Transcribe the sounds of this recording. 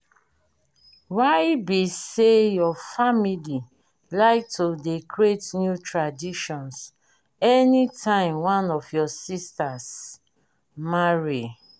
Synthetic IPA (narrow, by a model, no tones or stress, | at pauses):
waɪbisejɔfamili | laɪk̚tʰodekɹetnjutɹadiʃɔ̃ns | ɛnitʰãɪ̃mwãnɔfjɔsistas | maɹi